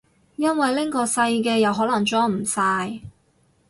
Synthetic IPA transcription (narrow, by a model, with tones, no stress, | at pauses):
jɐ˥nwɐ˨jlɪ˥ŋkɔː˧sɐ˧jkɛː˧jɐ˨wɦɔː˨˥lɐ˨˩ŋt͡ʃɔː˥m̩˨˩saː˧j